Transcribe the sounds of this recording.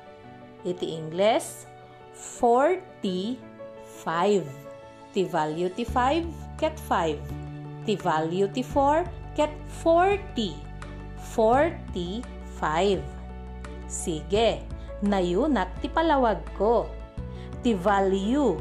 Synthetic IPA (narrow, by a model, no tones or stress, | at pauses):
ʔit̪iʔɪŋɡlɛs | foɹt̪i | fajv | t̪ivaljut̪ifajvkɛt̪fajvt̪ivaljut̪ifoɹkɛt̪̚ | foɹt̪i | foɹt̪i | fajv | siɡɛ | nɐjunɐt̪̚t̪ɪpɐlɐwaɡ̚ko | t̪ivalju